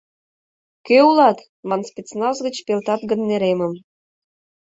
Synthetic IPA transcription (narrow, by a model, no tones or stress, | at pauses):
køulɑt̪ | mɑnspʲet͡snɑzɡə̆t͡ɕpelt̪ɑt̪ɡə̆nːeɾemə̆m